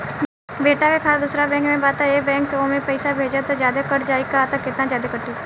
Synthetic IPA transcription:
beːʈakekʰaːd̪ʊsɾabɛ̃ːŋkmẽbaːt̪aeːbɛ̃ːŋksəõmẽpəɪsabʱeːd͡ʒat̪od͡ʒjaːd̪akəʈd͡ʒaːikaːt̪əkːɪt̪nãd͡ʒjaːd̪ekəʈiː

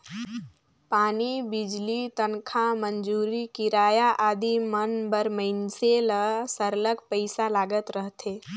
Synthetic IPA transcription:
paːnibid͡ʒlit̪ənkʰamənd͡ʒuːɾikiɾaːjaʔad̪imənbəɾməɪnseləsəɾləkpəɪsalaːɡət̪ɾəɦt̪ʰe

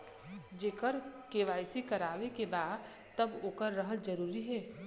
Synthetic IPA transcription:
d͡ʒeːkəɾkeːʋaːɪsikɐɾaːʋekebaːd̪ | t̪ɐboːkəɾːəɦəld͡ʒɐɾuːɾiɦɛː

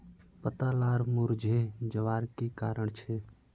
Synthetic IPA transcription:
pət̪alaːɾmʊɾd͡ʒʱed͡ʒəʋaːɾkekaːɾəɳ̃t͡ʃʰeː

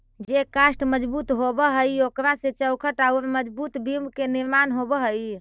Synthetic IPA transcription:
d͡ʒekasʈməd͡ʒbut̪ɦobəɦəjokɾaset͡ʃəwkʰəʈawɾməd͡ʒbut̪bimbkeniɾmanɦobəɦəj

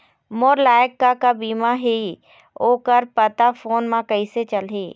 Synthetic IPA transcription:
moːɾlaːjəkːakabiːmaɦi | oːkəɾpət̪afoːnmãkɐiset͡ʃɐlɦiː

